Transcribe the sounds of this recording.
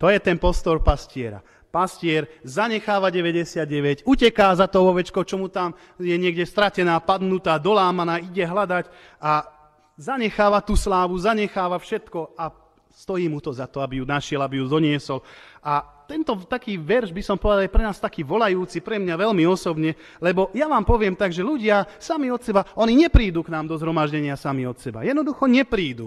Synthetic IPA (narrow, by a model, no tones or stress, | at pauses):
t̪ɔjɛt̪ɛnpɔst̪ɔɾpascɪɛɾa̰ | pascɪɛɾzaɲɛxaːʋaɟɛʋɛɟɛsɪad̪ɟɛʋɛɟucɛkaːzat̪ɔʋɔʋɛt͡ʃkɔt͡ʃɔmut̪am | jɛɲɪɛɡɟɛst̪ɾacɛnaːpad̪nut̪aːd̪ɔlaːmanaːiɟɛɦlad̪ac | ʔa | zaɲɛxaːʋat̪uːslaːʋuzaɲɛxaːʋafʃɛt̪kɔa | st̪ɔjiːmut̪ɔzat̪ɔabijunaʃɪɛlabijud̪ɔɲɪɛsɔlat̪ɛnt̪ɔt̪akiːʋɛɾʒbisɔmpɔʋɛd̪aljɛpɾɛnaːst̪akiːʋɔlajuːt͡sipɾɛmɲaʋɛlmiɔsɔbɲɛ | lɛbɔjaʋaːmpɔʋɪɛmt̪aɡʒɛʎuɟɪasamiɔt̪sɛbaɔniɲɛpɾiːd̪uknaːmd̪ɔzɦɾɔmaʒɟɛɲɪasamiɔt̪sɛba̰jɛd̪nɔd̪uxɔɲɛpɾiːd̪ṵ